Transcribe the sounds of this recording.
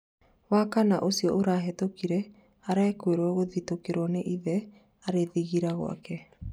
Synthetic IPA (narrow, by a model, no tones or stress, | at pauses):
wakanaʔosiɔʔoɾaɦɛtokiɾɛ | aɾaɛkweɾɔɣoðitokeɾwɔneʔiðɛ | aɾeðiɣiɾaɣo̰a̰kɛ